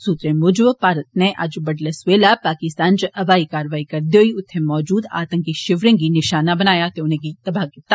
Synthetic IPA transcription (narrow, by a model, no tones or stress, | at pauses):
suːt̪ɾẽmʊd͡ʒʋpaːɾət̪̚neʔɐd͡ʒbɐɖlesʋeːlapaːkɪst̪aːnt͡ʃəʔɐʋaːikaːɾəʋaːikɐɾd̪joːiʊt̪ʰːemɔːd͡ʒuːd̪a̰ːt̪ə̃ŋkiʃɪʋɾẽŋɡinɪʃaːnabɐnaːjat̪eʊnẽɡit̪ɐbʱaːɡɪt̪ːa